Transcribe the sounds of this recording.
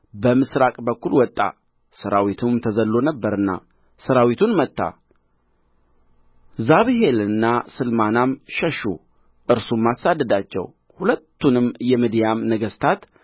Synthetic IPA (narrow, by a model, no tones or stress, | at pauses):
bəmɨsɾakʼbəkːulwɔt̪ʼːa̰ | səɾawit̪ʰumt̪ʰəzəlːo̞nəbːəɾɨnːa̰ | səɾawit̪ʰunmət̪ːa̰ | zaβɨɦelɨnːasɨlmanamʃəʃṵ | ʔɨɾsumːasad̪ːəd̪at͡ʃːɛ̰w | hulət̪ːunɨmːjɛmid̪ijamnəɡəst̪ʰat̪